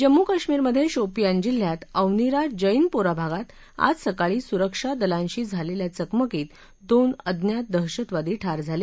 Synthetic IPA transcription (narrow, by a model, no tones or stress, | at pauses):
d͡ʑəmːukaɕmiːɾməd̪ʱːjeɕopijãnd͡ʑil̤ːjat̪əwniɾad͡ʑəjnpoɾabʱaɡat̪ | a̰d͡zsəkaɭiːsuɾəkʂad̪əlãɲɕiːd͡zʱaleljat͡səkməkiːt̪ | d̪onəd̪ʱnjat̪̚d̪əɦɕət̪ʋad̪iːʈʰaɾd͡zʱale